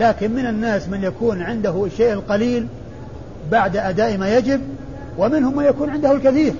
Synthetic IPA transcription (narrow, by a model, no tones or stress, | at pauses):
laːkɪnmɪnanːaːsmɪnjakuːnʕɪnd̪aɦʊʃːeːʔɪlqɑliːl | baʕd̪ʔad̪aːʔmaːjad͡ʒɪb̚ | wɪmɪnhʊmːanjakuːnʕɪnd̪ahʊlkaθiːɾ